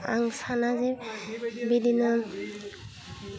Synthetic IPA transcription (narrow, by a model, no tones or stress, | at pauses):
a̰ŋsanazɛ | bid̪ʱinːɔ